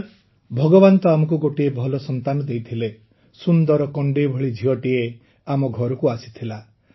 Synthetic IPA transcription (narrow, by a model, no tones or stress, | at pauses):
bʱɔɡɔbant̪ɔamɔk̬uɡoʈiebʱɔlɔsɔnt̪anɔd̪ejt̪ʰile | sund̪ɔɾɔkɔɳɖibʱɔɭid͡ʒʱiɔʈie | amɔɡʱɔɾɔkuasi̥t̪ʰila